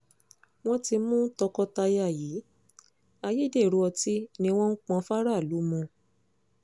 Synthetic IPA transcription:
w̃ɔ̃˦ti˧mũ˦tɔ˧kɔ˧ta˧ja˦˨ji˨˦ | a˧ji˦de˦˨ɾu˧˦ɔ˧ti˦nĩ˧w̃ɔ̃˦n̩˦k͡pɔ̃˧fa˦ɾa˦˨lu˨˦mũ˧

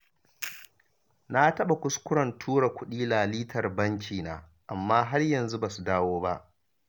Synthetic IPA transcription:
na˦tɐ˦ɓa˨kʷʊ˦skʷʊ˦ɽɐ˨ntʰuː˦ɽa˨kʷʊ˦ɗiː˦laː˨liː˦tʰɐ˨rbɐ˦ŋkʲiː˨na̰ː˨ | ʔa˨mːaː˦ɦa˦rjɐ˨nzu˦baː˨su˨daː˦woː˦ba˦ʔ

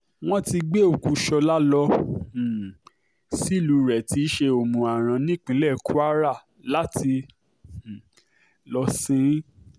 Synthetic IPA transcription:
w̃ɔ̃˦ti˧ɡ͡be˦o˨ku˨˧ʃɔ˧la˦lɔ̃˧˨ | si˦˨lu˨˦ɾɛ˨ti˧˦ʃe˧o˨mũ˨a˨ɾ̃ã˨˧nĩ˦k͡pĩ˨˦lɛ˦˨ku˦a˦ɾa˦˨ | la˦tĩ˧˨ | lɔ˧sĩ˦

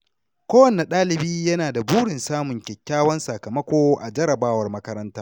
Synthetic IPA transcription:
kʷoː˦wɐ˨nːe˨ɗaː˦lɪ˨biː˦jɐ˦naː˨da˨buː˦ɽɪ˨nsaː˦mʊ˨ŋkʲɛ˨kʲːaː˦wɐ˦nsɐ˨kɐ˨mɐ˦kʷoː˦ʔa̰˨d͡ʒɐ˦ɾɐ˨baː˦wɐ˨rmɐ˦kɐ˦ɾɐ˦ntaː˦

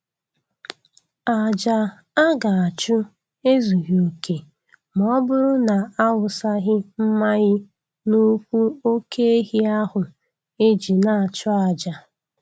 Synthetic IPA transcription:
a˨d͡ʒa˨ | a˦ɡa˨a˨t͡ʃʊ˦ | e˦zu˨ɣi˨o˨kʰe˨ | m˨ɔ˦bʊ˦ɾʊ˦na˨a˦wʊ˨sa˦ɣɪ˦m̩˦ma˦ɣɪ˦ | nu˦kʷu˦o˦kʰe˦e˦ɦi˦a˦ɦʊ˨ | e˦d͡ʒi˨na˨a˨t͡ʃʊ˦a˨d͡ʒa˨

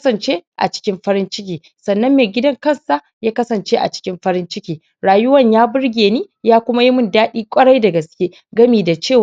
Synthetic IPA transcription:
sɐ˨nt͡ʃeː˦ʔa̰˨t͡ʃɪ̥˦kʲɪ˦mɸɐ˦ɾɪ˦nt͡ʃɪ˦kʲiː˨ | sɐ˨nːɐ˦mːeː˨ɡʲɪ˦dɐ˦ŋkɐ˦˨nsa˦˨ | jaː˦kɐ˦sɐ˨nt͡ʃe˦ʔa̰˨t͡ʃɪ̥˦kʲɪ˦mɸɐ˦ɾɪ˦nt͡ʃɪ˦kʲiː˨ | ɽaː˨jʊ˦wɐ˦˨ɲjaː˦bʊ˦ɽɡʲeː˨niː˦jaː˦kʷʊ˦ma˦ji˦mʊ˦ndaː˦ɗiː˦kʷʼɐ˦ɽa˦jda˨ɡɐ˨skʲeː˦ | ɡɐ˦miː˨da˨t͡ʃeː˦˨w

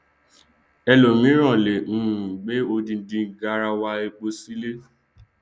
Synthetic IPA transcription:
ɛ˧lo˨mĩ˨˦ɾ̃ã˦˨le˨ñ̩˦˨ɡ͡be˦o˧dĩ˧n̩˦dĩ˧˨ɡa˧ɾa˧wa˧e˧k͡po˧si˦le˦

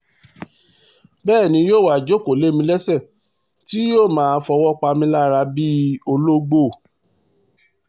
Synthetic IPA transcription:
bɛː˦˨nĩ˧joː˦˨wa˦˨d͡ʒo˦˨ko˨le˦mĩ˧lɛ˦sɛ˦˨ | ti˦joː˦˨mãː˨˦˧fɔ˧wɔ˦k͡pa˧mĩ˧la˦˨ɾa˧bi˦o˧lo˦ɡ͡bo˦˨

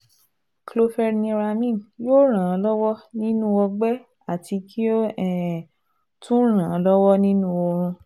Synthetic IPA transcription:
klo˧fɛ˧ɾnĩ˧ɾa˧mĩ˦˨njo˦ɾ̃ã˨˧lɔ˦wɔ˦nĩ˦nũ˦ɔ˧ɡ͡bɛ˦ | a˦˨ti˧kʰi˦o˦ɛ˨ | tũ˦ɾ̃ã˨lɔ˦wɔ˦nĩ˦nũ˦ɔ˧ɾ̃ũ˧

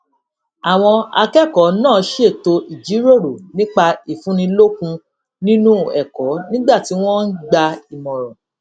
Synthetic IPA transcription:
a˨w̃ɔ̃˧a̰˧kɛ˦˨kɔ˨˦nãː˦˨˦ʃe˦˨to˧i˨d͡ʒi˨˦ɾo˦˨ɾo˨nĩ˦k͡pa˧i˦˨fũ˨˦ñĩ˧lo˦kũ˧ | nĩ˦nũ˦˨ɛ˨kɔ˨˦nĩ˦ɡ͡ba˦˨ti˨˦w̃ɔ̃˦n̩˦ɡ͡ba˧i˨mɔ̃˨ɾɔ̃˨

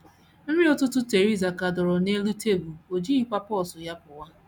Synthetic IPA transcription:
n̩˦ɾi˦ɔ˨tʊ˦tʊ˦te˨ɾi˦za˨ka˨dɔ˨ɾɔ˨ne˦lu˦te˦bu˨o˨d͡ʒi˦i˦kʷa˦pɔ˦˨sʊ˨ja˦pʊ˨wa˦

